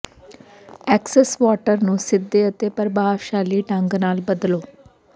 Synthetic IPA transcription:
ɛːksɛsʋaːʈəɾnũːsɪd̪ːeːət̪eːpəɾbʱaːʋʃaːliːʈə̃ŋɡnaːlbəd̪loː

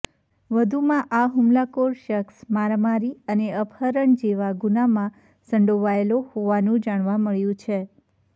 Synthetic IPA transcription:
ʋəd̪ʱumãʔaɦʊmlakoɾʃəksmaɾmaɾiəneəbʰʱəɾəɳd͡ʒeʋaɡunamã | səɳɖoʋaelohoʋanũd͡ʒaɽ̃ʋãməɭjũt͡ʃʰe

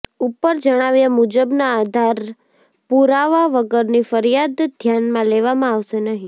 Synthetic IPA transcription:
upəɾd͡ʒəɽ̃aʋjamud͡ʒəbnaːd̪ʱaɾ | puɾaʋaʋəɡəɾnifəɾijad̪d̪ʱjanmãleʋamãaʋʃenəɦĩ

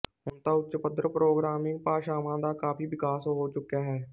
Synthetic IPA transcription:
ɪmt̪aːʊtːʃəpət̪ːɾəpɾoːɡɾaːmɪ̃ŋɡ̚paːʃaːmãːd̪aːkaːpiːʋɪkaːsoɦoːt͡ʃʊkaːɦɛː

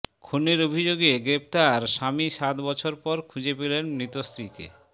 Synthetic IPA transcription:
kʰuneɾobʱid͡ʑoɡeɡɾep̚t̪aɾʃamiʃat̪bɔt͡ɕʰoɾpɔɾkʰud͡ʑepelenmɾit̪ost̪ɾikḛ

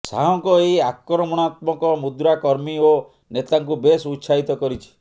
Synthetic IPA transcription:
saɦɔŋkɔeakːɾɔmɔɽ̃at̪mɔkɔmud̪ɾakɔɾmio | net̪aŋkubesut̪ːsʰaɦit̪ɔkɔɾit͡ʃʰi̥

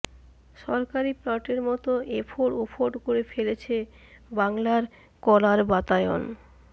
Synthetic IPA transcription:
ʃɔɾkaɾiplaʈeɾmɔt̪oʔefʰoɾopʰoɾɖkoɾefelet͡ɕʰe | baŋlaɾ | kɔlaɾbat̪aeo̰n

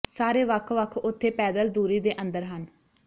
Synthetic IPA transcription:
saːɾeːʋəkʰʋəkʰʊt̪ʰːeːpɛːd̪əld̪uːɾiːd̪eːʔə̃nd̪əɾɦən

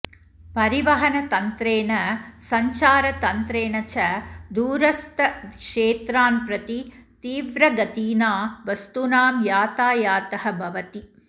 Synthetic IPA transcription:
pɐɾiʋɐɦɐnɐt̪ɐnt̪ɾeːɳɐsɐɲt͡ʃaːɾɐt̪ɐnt̪ɾeːɳɐt͡ʃɐd̪uːɾɐst̪ɐkʂeːt̪ɾaːnpɾɐt̪i | t̪iːʋɾɐɡɐt̪iːnaːʋɐst̪unaːmjaːt̪aːjaːt̪ɐhɐbʱɐʋɐt̪i

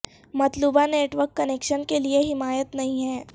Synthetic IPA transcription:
mɐt̪luːbaneːʈʋəɾkːɐneːkʃənkelieɦɪmaːjət̪nɐɦĩɦɛː

